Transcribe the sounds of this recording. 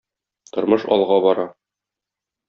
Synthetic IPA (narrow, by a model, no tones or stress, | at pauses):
t̪ŏɾmɤʃɒ̰lˠʁɑbɒɾɑ